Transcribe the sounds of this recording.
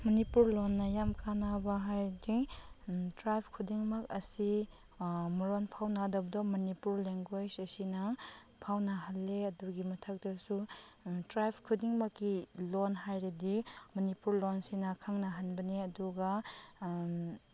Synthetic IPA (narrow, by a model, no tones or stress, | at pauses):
mɐnipuɾlonːɐjamkʰanabɐɦajɾdi | tɾajpʰkʰudiŋmɐk̚ɐsi | mɐɾonpʰawnadɐbɐdɔmɐnipuɾleŋɡwed͡ʒɐsinɐ | pʰawnɐɦɐlːeɐduɡimɐtʰɐk̚tɐsutɾajpʰkʰudiŋmɐkːilonɦajɾidimɐnipuɾlonsinɐkʰaŋnɐɦanbɐniɐduɡa